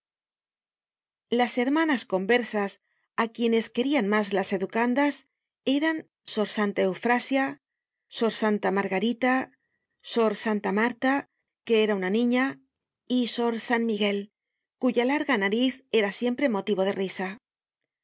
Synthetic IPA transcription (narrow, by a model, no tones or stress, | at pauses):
lase̞ɾmanasko̞mbe̞ɾsas | akje̞ne̞ske̞ɾianmazlase̞ðukand̪as | e̞ɾan | so̞ɾsant̪ae̞wfɾasja | so̞ɾsant̪amaɾɣaɾit̪a | so̞ɾsant̪amaɾt̪a | ke̞eɾaunanĩɲa | iso̞ɾsanmiɣe̞l | kuʝalaɾɣanaɾiθe̞ɾasje̞mpɾe̞mo̞t̪iβo̞ð̞e̞risa